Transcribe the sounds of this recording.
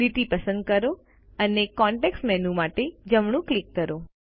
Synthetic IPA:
iʈipəsə̃nd̪̚kəɾo | ənekɔɳʈeksʈmɛnumaʈed͡ʒəmɳũklikːəɾo

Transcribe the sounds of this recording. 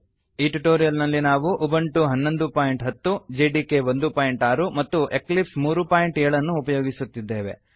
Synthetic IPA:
iʈuʈoːɾijɐlnɐlːinaːʋuʔubɐɳʈuɦɐnːo̞nd̪upaːjiɳʈɦɐt̪ːud͡ʒeːɖiːke̞ʋo̞nd̪upaːjiɳʈaːɾumɐt̪ːuʔe̞klipsmuːɾupaːjiɳʈejɭɐnːuːpɐjoːɡisut̪ːid̪ːe̞ːʋe̞̰

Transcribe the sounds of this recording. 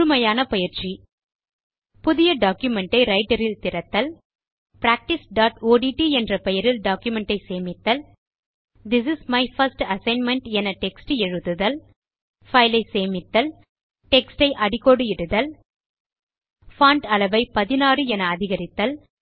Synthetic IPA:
ʊɾɯmɐjaːnɐpɐjɪɾt͡ʃːi | pʊðɪjɐɖaːkjʊmɛɳʈɐɪɾɐɪʈɐɾɪlt̪ɪɾɐt̪ːɐl | pɾaːk̚ʈɪsɖaːʈoːɽiʈiɛndrɐpɛjɐɾɪlɖaːkjʊmɛɳʈɐɪseːmɪt̪ːɐl | d̪ɪs̬ɪsmɐɪfɐɾsʈɐsɐɪnmɛɳʈɛnɐʈɛksʈɯɛɻɯðɯðɐl | fɐɪlɐɪseːmɪt̪ːɐl | ʈɛksʈɐɪʔɐɽɪkːoɽɯɪɽɯðɐl | faːɳʈɐlɐʋɐɪpɐðɪnaːɾɯɛnɐːðɪɣɐɾɪt̪ːɐl

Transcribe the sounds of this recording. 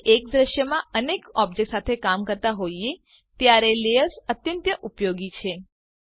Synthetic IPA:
ʔek̚d̪ɾəʃjəmãənekɔb̚d͡ʒek̚ʈsat̪ʰekamkəɾt̪aɦoie | t̪jaɾelejəɾsət̪jə̃nt̪jəʔupjoɡit͡ʃʰe

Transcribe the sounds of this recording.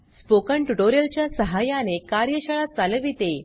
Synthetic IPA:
spokəɳʈuʈoɾijəlt͡ɕjasəɦajanekaɾjəɕəɭat͡salʋit̪e

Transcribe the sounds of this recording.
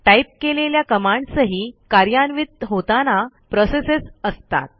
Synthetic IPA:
ʈaip̚keleljakəmaɳɖsəɦiːkaɾjanʋit̪̚ɦot̪anapɾɔsesesəst̪a̰t̪̚

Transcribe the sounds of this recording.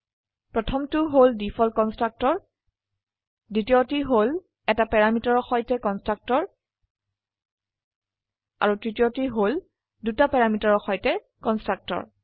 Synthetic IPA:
pɹɔtʰɔmtʊɦoldifʰɔlkɔnstɹak̚tɔɹ | ditiotiɦol | ɛtapɛɹamitɔɹɔxɔjtɛkɔnstɹak̚tɔɹ | a̰ɹutɹitijotiɦol | dutapɛɹamitaɹɔxɔjtɛ | kɔnstɹak̚tɔ̰ɹ

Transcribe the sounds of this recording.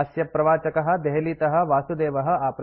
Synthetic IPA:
sjɐpɾɐʋaːt͡ʃɐkɐɦɐ̆d̪ɛɦɐliːt̪ɐɦɐ̆ʋaːsud̪eːʋɐɦɐ̆aːp

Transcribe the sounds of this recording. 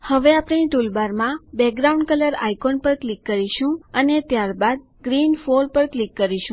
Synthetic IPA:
həʋeapɽeniʈ̪ulbaɾmãbɛk̚ɡɾaũɳɖ̚kələɾa̰ikonpəɾklikːəɾiʃũənet̪jaɾbad̪̚ | ɡɾinfoɾpəɾklikːəɾiʃũ

